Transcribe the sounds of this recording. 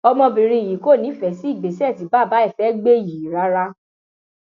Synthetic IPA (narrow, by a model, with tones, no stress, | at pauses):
ɔ˧mɔ̃˧bĩ˨ɾ̃ĩ˧i˨ji˨˦ko˦˨nĩ˨˦fɛ˨˦si˦i˦˨ɡ͡be˨˦sɛ˦˨ti˨˦ba˦˨ba˨˦ɛ˦˨fɛ˨˦ɡ͡be˦˨ji˨ɾa˨˦ɾa˦